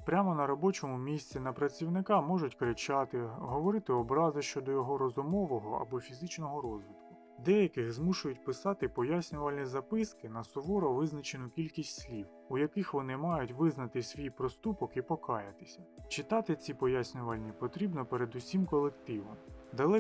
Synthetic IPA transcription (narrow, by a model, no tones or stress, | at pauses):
pɾʲamɔnɐɾɔbɔt͡ʃɔmʊmʲisʲtt͡sʲinɐpɾɐt͡sʲiwnɪkɑmɔʒʊtʲkɾɪt͡ʃɑt̪ɪɦɔʋɔɾɪt̪ɪɔbɾɑzɐʃt͡ʃɔd̪ɔjɔɦɔɾɔzʊmɔʋɔɦɔɐ̰bɔfʲizɪt͡ʃnɔɦɔɾɔzʲʋʲit̪kʊ | d̪ɛjɐkɪxzmuʃʊjʊt̚ʲpɪsɑt̪ɪpɔjasʲnʲʊʋɐlʲnʲizɐpɪskɪnɐsʊʋɔɾɔʋɪznɐt͡ʃenʊkʲilʲkʲisʲtʲsʲlʲiw | ujɐkɪxʋɔnɪmɑjʊtʲʋɪznɐt̪ɪsʲʋʲijpɾɔst̪upɔkipɔkɑjɐt̪ɪ̥sʲɐt͡ʃɪt̪ɑt̪ɪt͡sʲipɔjasʲnʲʊʋɐlʲnʲipɔt̪ɾʲibnɔpeɾed̪ʊsʲimkɔlˠekt̪ɪʋɔmd̪ɐlˠɛ